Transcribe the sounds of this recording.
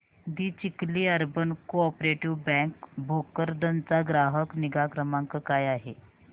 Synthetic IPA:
d̪iːt͡ɕikliːəɾbənkoɔpɾeʈiʋbɛ̃ŋkbʱokəɾd̪ənt͡saɡɾaɦəkniɡakɾəmãŋkəkajaɦe

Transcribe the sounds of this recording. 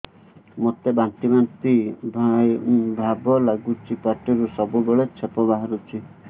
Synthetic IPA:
mot̪ebaɳʈimant̪ibʱabʱabɔlaɡut͡ʃʰipaʈɔɾusɔbubeɭet͡ʃʰepɔbaɦaɾut͡ʃʰi

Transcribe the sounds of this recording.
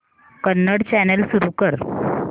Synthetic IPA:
kənːəɽt͡ɕænəlsuɾuːkəɾ

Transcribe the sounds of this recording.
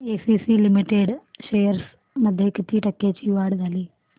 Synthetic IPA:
eːsiːsiːlimiʈeːɖʃeːjɐɾs | mɐd̪ʱjɐkːit̪ːiːʈɐkːeːt͡ʃiːʋaːɽuɡ̪aːli

